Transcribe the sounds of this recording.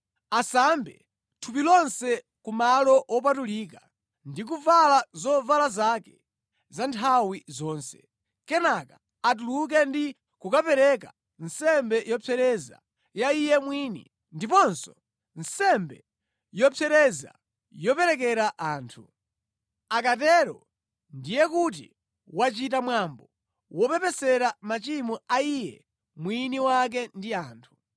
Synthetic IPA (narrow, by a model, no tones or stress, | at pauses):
asambɛ̰ | tʰup̬ilɔnsɛ | kumalɔʔɔp̬atuliːka | ndik̬uvalazɔvalazakɛ | zantʰawizɔːnsɛ̥ | kɛnakaː | t̬uluk̬ɛndi | kukapɛɾɛka | nsɛmbɛjɔpʰɛɾɛza̰ | jaijɛmwiːnḭ | ndipɔnsɔ | nsɛmbɛ̰ | jɔpʰɛɾɛza̰ | jɔpɛɾɛkɛɾaʔaːntʰu | akatɛɾɔ̰ | ndijɛkut̬ḭ | wat͡ʃitamwambɔ | wɔpɛpɛsɛɾamat͡ʃimuaijɛ | mwiniwak̬ɛndiaːntʰu̥